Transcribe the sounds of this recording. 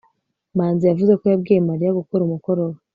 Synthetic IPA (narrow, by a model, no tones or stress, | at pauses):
maːnzijavuze̞kojab̚ɡiːɾjemaɾijaɡukoɾumuko̞ɾoβa